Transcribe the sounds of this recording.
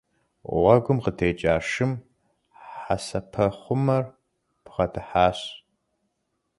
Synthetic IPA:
ʁʷɐɡʷʊmqətʰeːt͡ʃʼaːʂɨm | ħasɐpʰɐχʷʊmɐr | pʰʁɐdʰɨħaːɕ

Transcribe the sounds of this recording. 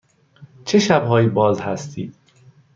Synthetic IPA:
t͡ʃʰeʃæbhɒːjiːbɒːzhæst̪ʰiːd̪̥

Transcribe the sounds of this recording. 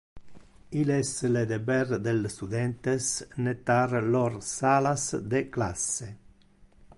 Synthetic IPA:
ilɛsled̪ebɛɾd̪elst̪ud̪ɛnt̪esnet̪aɾlorsalasd̪ekla̰se

